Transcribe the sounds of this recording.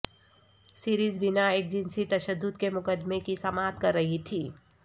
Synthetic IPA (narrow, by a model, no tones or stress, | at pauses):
siːɾiːzbɪnaeːk̚d͡ʒɪ̃nsit̪ɐʃəd̪ːʊd̪kemʊkəd̪mekisɐmaːt̪kɐɾːɐɦit̪ʰiː